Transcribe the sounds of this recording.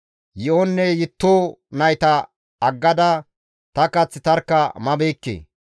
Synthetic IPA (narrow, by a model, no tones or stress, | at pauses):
jɪʔɔnːɛjɪt̪ːoːnɐjt̪ɐ | ɐɡːɐd̪ɐ | t̪ɐkɐt͡sːɪt̪ɐɾkːɐmɐbeːkːḛː